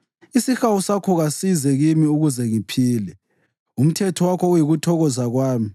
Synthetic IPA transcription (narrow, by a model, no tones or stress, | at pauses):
isixawusakʰɔɣasizɛɣimiuɣuzɛŋipʰiːlɛ | um̩tʰɛtʰɔwakʰɔujiɣutʰɔɣɔzaɣwaːmi